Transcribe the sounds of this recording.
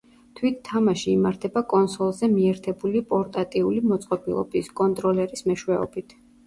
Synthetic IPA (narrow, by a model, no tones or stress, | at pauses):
t̪ʰwit̪ʰːamaʃiːmaɾt̪ʰɛbakʼɔnsɔlˠzɛmiɛɾt̪ʰɛbulipʼɔɾt̪ʼat̪ʼiulimɔt̪sʼqʼɔbʼilˠɔ̰biskʼɔnt̪ʼɾɔlɛɾismɛʃwɛɔ̰bit̪ʰ